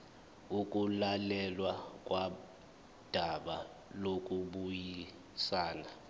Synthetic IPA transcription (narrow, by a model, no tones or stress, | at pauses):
uk̬ʼulalɛlwak̬ʼwʔa | d̥ʱaɓa | lok̬ʼuɓuji | saːna